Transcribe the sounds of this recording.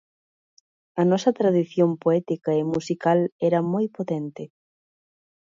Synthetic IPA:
ɐnɔsɐt̪ɾaðiθjompoɛt̪ikɐemusikalɛɾɐmojpot̪ɛnt̪ɪ

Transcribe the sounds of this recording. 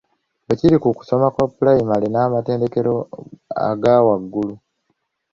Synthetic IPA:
eciɾikuku̥so̞makwapulajimalenaːmate̞ːnde̞ke̞ɾo̞a̰ɡaːwaɡːulu

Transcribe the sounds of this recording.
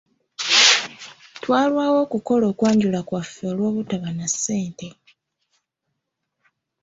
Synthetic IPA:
twaːlwaːwo̞ːkuko̞loːkwaːɲɟulakwafːeːlwo̞ːβutaβanasːe̞ːnte̞

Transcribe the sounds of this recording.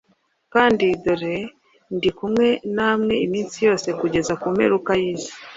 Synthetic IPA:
kaːndidoɾe | ndikumŋe̞namŋe̞imiːnsijo̞ːse̞kuɟe̞zakume̞̰ɾukajiːzi

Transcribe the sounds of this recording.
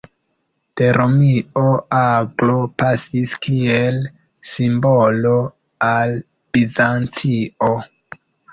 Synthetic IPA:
te̞ɾomioaɡlo̞pasiskiel | simbolo̞ | al | b̥izant͡sio

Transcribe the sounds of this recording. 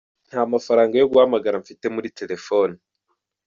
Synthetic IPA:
n̥haːmafaɾaːŋɡajo̞ɡuhamaɡaɾaɱfite̞muɾite̞ɾe̞fo̞ːni

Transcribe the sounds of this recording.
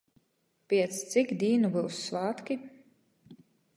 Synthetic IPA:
pʲiɛt̪st̪sikd̪ʲiːnubɨwsːvaːt̪kʲi

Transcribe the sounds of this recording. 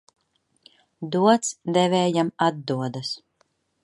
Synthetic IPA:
d̪uɔt̪sd̪ɛvɛːjamad̪ːuɔd̪as

